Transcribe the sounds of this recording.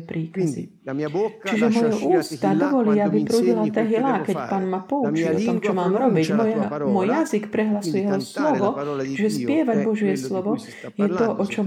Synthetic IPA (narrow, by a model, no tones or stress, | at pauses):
pɾiːkazḭ | t͡ʃiʒɛmɔjɔʔuːst̪ad̪ɔʋɔliːabipɾuːɟilat̪ɛɦilakɛcpaːnmapɔut͡ʃiilɔt̪ɔmt͡ʃɔmaːmɾɔbiɟmɔmɔjjazikpɾɛɦlasujɛɦɔslɔʋɔʒɛspɪɛʋaɟbɔʒɪɛslɔʋɔ | jɛt̪ɔʔɔt͡ʃɔ